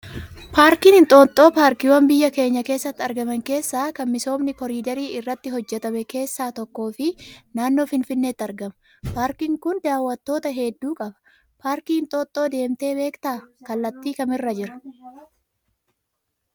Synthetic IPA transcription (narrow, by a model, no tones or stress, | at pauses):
paːɾkiːnɪnt̪ʼo̞ːt̪ʼo̞ːpaːɾkɪwɐmbɪjːɐke̞ːɲːɐke̞ːsːɐt̪ːɐɾɡɐmɐŋke̞ːsːaːkɐnmɪso̞ːmnɪkɔɾiːd̪ɐɾiːɪrːɐt̪ːɪɦɔd͡ʒːɛt̪ɐmɛke̞ːsːaːt̪ɔkːo̞ːfɪnaːnːo̞ːfɪnfɪnːeːt̪ːɐɾɡɐmɐ | paːɾkɪŋkʊnd̪aːwːɐt̪ːo̞ːt̪ɐɦɛd̪ːuːkʼɐbɐ̥ | paːɾkiːɪnt̪ʼo̞ːt̪ʼːo̞ːd̪e̞ːmt̪e̞ːbe̞ːkt̪aːkɐlːɐt̪ːiːkɐmɪrːɐd͡ʒɪɾɐ̥